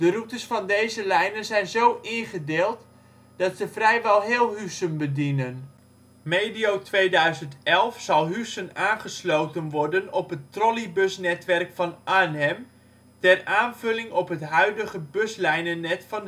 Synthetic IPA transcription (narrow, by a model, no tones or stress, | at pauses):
d̥ərutərsfɑndejzəlɛjnənzɛjnzowʔɪχədeːlˠt | d̥ɑtsəfrɛjʋɛlˠɦɪːlˠɦysənbədinən | mejdiowtʋejdœɥzəntɛlˠfsɑlˠɦysənaːnχəslowtənʋɔrdənɔpɦətrɔlibɵsnɛtʋɛrkfɑnʔanɛm | tɛraːnvɵlɪŋɔpɦətɦœɥdəχəbøslɛjnənɛtfɑn